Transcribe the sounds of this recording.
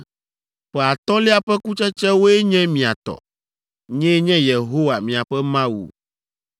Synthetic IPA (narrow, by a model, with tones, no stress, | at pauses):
ɸɛ˨a˨t̪ɔ˦lɛ˦a˨ɸɛ˦ku˦t͡ʃɛ˦t͡ʃɛ˦wo˦ɛ˦ɲɛ̃˦mĩ˨a˨t̪ɔ̰˨ | ɲɛ̃˦ɲɛ̃˦je˨ɦo˦wa˨mĩ˨a˨ɸɛ˦mã˦wṵ˨